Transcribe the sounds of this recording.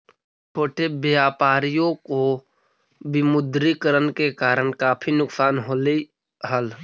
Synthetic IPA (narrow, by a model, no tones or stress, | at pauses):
ʈʰoːʈebjaːpaːɾijõko | bɪmʊd̪ɾikəɾənkekaːɾəɳkaːpʰinʊksaːnɦoːle | ɦəl